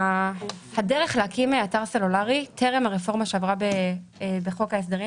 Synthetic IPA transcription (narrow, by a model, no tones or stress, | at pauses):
hadeʁeχleakimeataʁse̞lulaʁitʰeʁemhaʁefo̞ʁmaʃeavʁabebeχo̞kaes̬d̪eʁi